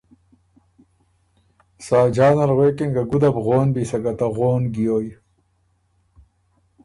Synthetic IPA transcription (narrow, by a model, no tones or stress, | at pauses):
saːd͡ʑaːnɐɾɣekeŋɡaɡud̪ɐbɣoːnbisɐɡɐt̪aɣoːnɡijoːj